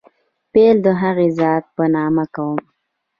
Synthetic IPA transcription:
peld̪əɦaɣezɑt̪̚pənɑmakawəm

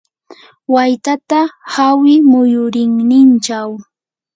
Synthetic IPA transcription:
wajt̪at̪ahawɪmʊjʊɾɪŋnɪnt͡ʃaw

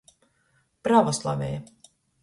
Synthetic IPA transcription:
pɾavɔslˠa̰vʲɛ̰j

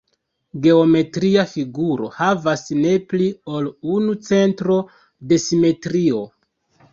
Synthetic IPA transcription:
ɡe̞o̞me̞tɾiafiɡuɾo̞̰havasne̞pliolunut͡se̞ntɾo̞ | de̞sime̞tɾio̞

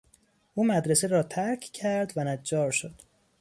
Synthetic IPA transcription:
ʔuːmæd̪ɾeseɾɒːt̪ʰæɾcʰcʰæɾd̪vænæd͡ʒːɒːɾʃod̪̥

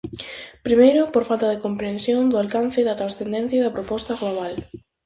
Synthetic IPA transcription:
pɾimejɾʊpoɾfalt̪aðekompɾẽnsjoŋd̪ʊalkanθɪðɐt̪ɾasθend̪ẽn̟θjaðɐpɾopɔst̪aɣloβ̞al

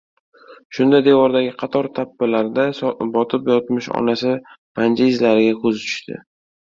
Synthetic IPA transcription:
ʃʊnd̪ad̪e̞wɒɾd̪aɡʲɪqʰɑt̪ʰɒɾt̪ʰabːalaɾd̪asbɒt̪ʰɪpjɒt̪mɪʃɒ̰nasɪpʰand͡ʒaɪzlaɾɪɡʲakʰɵzɪt͡ʃ̪ʰʊ̥ʃt̪ʰɪ̰

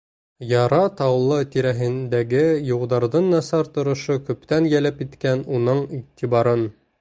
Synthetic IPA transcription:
jɑɾɑt̪ɑwlˠːɤt̪iɾæɦɘ̆nd̪æɡɘjulˠd̪ɑɾðɤnːɑsɑɾt̪ŏɾɤ̆ʃokʉ̆pt̪ænjælɘpit̪kænunɤɴiʁt̪ʰiβɑɾɤn

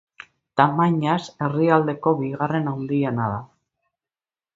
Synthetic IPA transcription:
t̪amaɲase̞riald̪e̞ko̞βiɣare̞nawnd̪ienaða

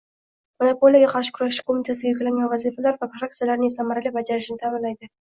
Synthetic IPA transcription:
manopolʲˠijaɡʲaqʰɑɾʃɪ̥kʰʊɾaʃɪ̥kʰomʲit̪ʰasɪɡʲajʊkʲalaŋɡʲanvazifalaɾvapʰɾak̚t̪ijalaɾnɪesamaɾalʲɪbad͡ʒaɾɪʃɪnt̪ʰamɪnlajd̪ɪ

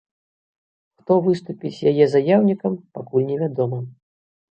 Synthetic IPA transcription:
xt̪ɔvɨst̪upʲit͡sʲjajɛzajawnʲikɐmpakulʲnʲɛvʲad̪ɔmɐ

